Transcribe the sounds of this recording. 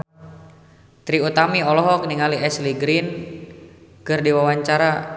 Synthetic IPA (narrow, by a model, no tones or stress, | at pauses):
t̪ɾiut̪amiɔlɔɦɔk̚niŋaliɛsliɡɾin | kɨrdiwawaɲt͡ʃaɾa